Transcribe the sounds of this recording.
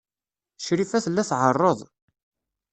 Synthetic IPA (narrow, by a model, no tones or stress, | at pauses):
ʃɾifæθəlːæθʕərˤːəðˤ